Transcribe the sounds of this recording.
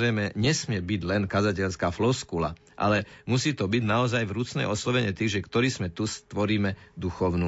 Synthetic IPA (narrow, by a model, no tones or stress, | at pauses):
ɾɛjmɛɲɛsmɪɛbiɟlɛnkazacɛʎskaːflɔskula̰ | ʔa̰lɛmusiːt̪ɔbiɟnaɔzajvɾut͡snɛ̰jɔslɔʋɛɲɛt̪iːʒɛkt̪ɔɾiːsmɛt̪ust̪ʋɔɾiːmɛd̪uxɔʊnu